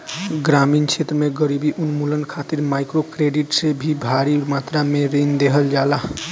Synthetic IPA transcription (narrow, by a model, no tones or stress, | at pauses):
ɡɾamint͡ʃʰet̪ɾəmeɡəɾibiʔunmulənkʰat̪iɾmajkɾokɾeɖiʈsebʱibʱaɾimat̪ɾameɾind̪eɦəld͡ʒala